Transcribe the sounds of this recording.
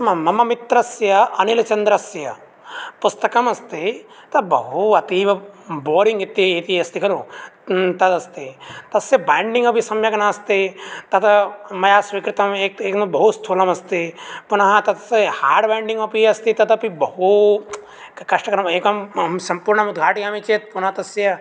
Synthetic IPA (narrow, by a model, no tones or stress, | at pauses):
mɐmɐmɐmit̪ɾɐsjɐɐnilɐt͡ʃɐnd̪ɾɐsjɐ | pust̪ɐkɐmɐst̪it̪ɐbɐɦuɐt̪iːʋɐboːɾiŋɡit̪ːiːt̪iɐst̪ikɐɾu | t̪ɐt̪ɐst̪it̪ɐsjɐbaːɳɖiŋɡɐpisɐmjɐɡɐnaɐst̪it̪ɐt̪mɐjaːsʋikɾɪt̪ɐmeːk̪eːknɐbɐɦust̪ʰulɐmɐst̪ipunɐɦɐt̪ɐt̪haːɾɖbaːɳɖiŋɡɐpiɐst̪it̪ɐt̪ɐpibɐɦu | kɐʂʈɐkɐɾɐmeːkɐmmsɐmpuːɾɳɐmud̪ɡʱaːʈiɐmit͡ʃeːt̪̚punɐɦɐt̪ɐsjɐ